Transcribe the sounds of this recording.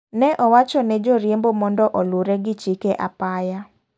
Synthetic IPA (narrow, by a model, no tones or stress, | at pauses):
nɛʔɔwat͡ʃɔnɛd͡ʒoɾjembomɔndɔʔɔluɾɛɡɪt͡ʃikeʔa̰paja